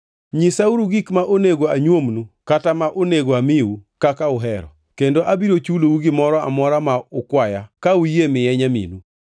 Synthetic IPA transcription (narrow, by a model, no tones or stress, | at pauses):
ɲisauɾuɡikmaʔoneɡoaɲwomnukatamaʔoneɡoamɪukakaʊɦɛɾɔ̰ | kendoʔabiɾot͡ʃulouɡɪmɔɾɔa̰mɔɾamaʊkwaja̰kaujemɪjɛɲamḭnu